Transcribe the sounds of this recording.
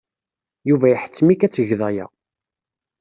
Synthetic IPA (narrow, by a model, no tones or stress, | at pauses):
juvæjħə̥t͡sːmikæt͡sːəʝðæjæ̰